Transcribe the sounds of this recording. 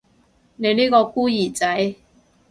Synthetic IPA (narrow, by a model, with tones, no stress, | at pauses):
ne˨˧jniː˥kɔː˧kuː˥jiː˨˩t͡sɐ˨˥j